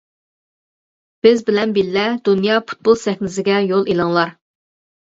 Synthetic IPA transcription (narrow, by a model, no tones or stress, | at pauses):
b̥ɪzbɪlɛnbilːɛd̪unjɑpʰu̥t̪̚bolˠsɛxʲnɪzɪɡʲɛjolˠilˠɨŋlˠɑɾ